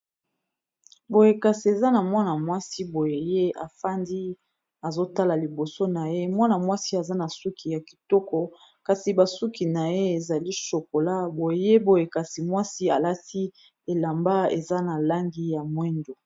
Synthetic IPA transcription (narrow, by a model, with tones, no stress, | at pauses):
bo˨je˨ka˨si˨e˨za˦na˨mwa˦na˨mwa˦si˦bo˨je˨je˦a˨fa˦ndi˦ | a˨zo˦ta˦la˨li˨bo˨so˦na˨je˦mwa˦na˨mwa˦si˦a˨za˦na˨su˦ki˨ja˨ki̥˨tɔ˦kɔ˨ | ka˨si˨ba˨su˦ki˨na˨je˦e˨za˨li˦ʃo˨ko˨la˦bo˨jje˦bo˨je˨ka˨si˨mwa˦si˦a˨la˦ti˦ | e˨la˨mba˦ḛ˨za˦na˨la˦ŋɡi˦ja˨mwɛ˦ndo˨